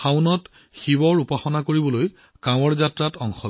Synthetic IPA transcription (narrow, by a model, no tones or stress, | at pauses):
xawnɔt | xibɔɹupaxɔnakoɹibɔloj | kãw̃ɔɹzatɹatɔŋxɔ